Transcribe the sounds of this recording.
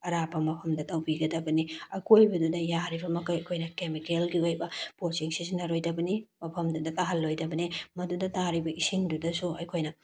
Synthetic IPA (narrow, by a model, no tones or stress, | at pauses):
ɐɾabɐmɐpʰɐmdɐtɐwbiɡɐdɐbɐniɐkʰojbɐdudɐjaɾibɐmɐkɐjɐkʰojnɐkemikelɡiojbɐpot͡ʃiŋsisinɐɾojdɐbɐnimɐpʰɐmdudɐtaɦɐlːojdɐbɐnimɐdudɐtaɾibɐʔisiŋdudɐsuɐjkʰojnɐ